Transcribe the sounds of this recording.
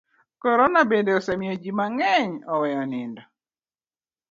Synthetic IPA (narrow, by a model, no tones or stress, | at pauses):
kɔɾɔnabendeɔsɛmjod͡ʒimaŋɛɲɔwɛɔnɪndɔ